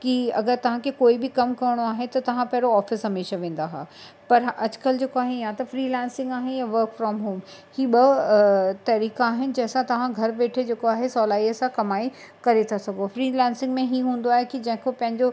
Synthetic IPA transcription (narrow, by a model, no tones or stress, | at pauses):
kiɐ̰ɡəɾt̪ɐʋ̤ãkʰekoːibɪkɐmkɐɾɽ̃oaːɦet̪ɐt̪ɐʋ̤ãpɐɦɾoɔːfɪsɦɐmeːʃaʋẽːnd̪aɦa̰ː | pɐɾɐd͡ʑkɐld͡ʑeːkoaːɦejat̪ɐfɾiːlɛ̃ːnsɪ̃ŋɡaːɦɪnɪjaʋɐɾkfɾɔːmɦoːmhiːɓɐ | t̪ɐɾiːkaaːɦɪnɪ̆d͡ʑɐ̃ɦɪ̃sãt̪ɐʋ̤ãɡʱɐɾʋeːʈʰed͡ʑeːkoaːɦesɔːlaːiɐsãkɐmaːi | kɐɾet̪ʰasɐɡʱofɾiːlɛ̃ːnsɪ̃ŋɡmẽɦiːɦũːn̆d̪oaːɦekid͡ʑɐ̃ɦɪ̃kopɐ̃ɦɪ̃ɲd͡ʑo